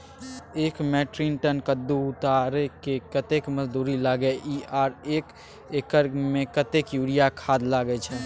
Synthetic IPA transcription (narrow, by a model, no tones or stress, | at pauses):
ekmɛʈɾinʈənkəd̪ːuut̪aɾɛkekət̪ekməd͡ʒd̪uɾilaɡɛʔiaɾek | ekəɾmekət̪ekjuɽijakʰad̪laɡɛt͡ʃʰɛ